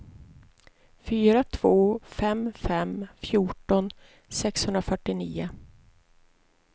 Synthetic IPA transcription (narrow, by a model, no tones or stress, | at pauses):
fyːɾat̪ʰv̥oːfɛmfɛmfjuːʈɔn | sɛkshɵnd̪ɾafœʈːɪniːʊ